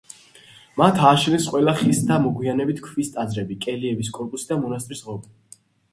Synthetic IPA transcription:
mat̪ʰaːʃnɛsqʼwɛlaχist̪ʰamɔɡwianɛbit̪ʰkʰvist̪ʼazɾɛbikʼɛliɛbiskʼɔɾpʼusid̪amɔnas̬t̪ʼɾisʁɔb

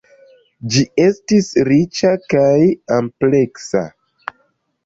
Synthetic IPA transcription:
d͡ʒie̞stisɾit͡ʃakajample̞ksa̰

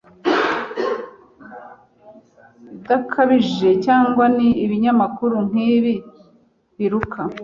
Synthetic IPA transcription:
idakʰaβiʒe̞caːŋɡwaniːβiɲamakuɾuŋ̥iːβi | βiɾukʰa

